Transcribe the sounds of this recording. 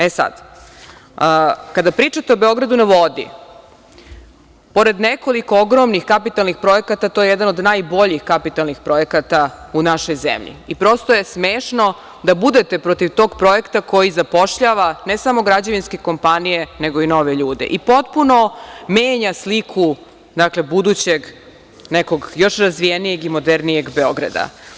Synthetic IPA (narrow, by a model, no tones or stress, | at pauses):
esa̰d̪ | kad̪apɾiːt͡ʃat̪eobeo̞ɡɾad̪unaʋo̞d̪ḭ | po̞ɾe̞d̪nekoliko̞oɡɾo̞mnixkapit̪alˠnixpɾo̞ekat̪at̪o̞ːje̞jed̪anod̪najbo̞ʎixkapit̪alˠnixpɾo̞je̞kat̪aunaʃo̞jzḛmʎḭipɾo̞ːst̪oje̞smeːʃno̞ | d̪abud̪e̞t̪e̞pɾo̞t̪iʋt̪o̞ːɡpɾo̞jekt̪ako̞jizapo̞ʃʎaːʋanesamo̞ɡɾad͡ʑaʋinske̞ko̞mpanije̞neɡo̞ino̞ʋeʎuːd̪e̞̰ʔipo̞t̪̚puno̞meːɲaslikʰu | d̪akle̞bud̪ut͡ɕeɡ | neko̞ɡjo̞ʃɾazʋijenije̞ɡimo̞d̪eɾnije̞ɡbeo̞ɡɾa̰d̪a̰